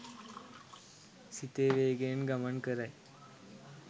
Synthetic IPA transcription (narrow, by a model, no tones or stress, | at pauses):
sit̪eʋeɡenɡəmənkəɾaj